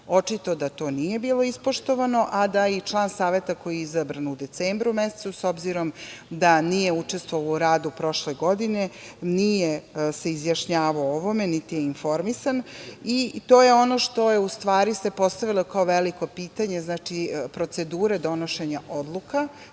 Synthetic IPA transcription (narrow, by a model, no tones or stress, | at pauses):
o̞t͡ʂit̪o̞d̪at̪o̞ːnije̞biːlˠo̞ispo̞ʃt̪o̞ʋano̞ʔad̪ait͡ʃlˠaːnsaːʋe̞t̪ako̞jiizabɾanud̪e̞t̪eːmbɾumese̥t̪uso̞bziɾo̞md̪anije̞ut͡ʂest̪ʋoʋalouɾaːd̪upɾo̞ʃleɡo̞d̪ine̞nijese̞izjaʃɲaːʋaooʋo̞me̞nit̪ijeinfo̞ɾmisanit̪o̞ːje̞o̞no̞ʃt̪o̞jeust̪ʋaːɾise̞po̞st̪aʋilˠo̞kaoʋeliko̞piːt̪aɲe̞znaːt͡ʃipɾo̞t̪se̞d̪uːɾed̪o̞noʃe̞ɲaʔod̪lˠuka